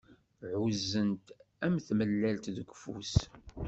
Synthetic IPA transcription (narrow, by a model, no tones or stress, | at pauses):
ʕuzːənt̪ | æmθməlːælt̪ðəɡʷfṵs